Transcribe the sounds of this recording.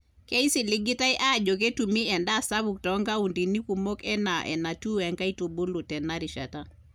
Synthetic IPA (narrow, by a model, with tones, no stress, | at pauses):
ke˦i˦si˨li˦ɡi˦ta˦i˦ʔa˦˨d͡ʒɔ˨k̬e˦tu˨mi˦ɛ˨nda˨sa˦βuk̚tɔŋɡa˦undi˨ni˦ku˨mo˦kɛ˦na˨ʔɛ̰˨na˨tu˦ɛ˨ŋɡa˦i˦tu˨bu˦lu˨tɛ˨na˦ɾiʃa˨ta˦